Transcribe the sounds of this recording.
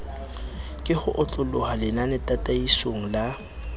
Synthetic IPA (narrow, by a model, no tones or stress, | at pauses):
kʼɪhʊʔʊt͡ɬʼʊlʊhalɪnanɪtʼatʼaisoŋ̩la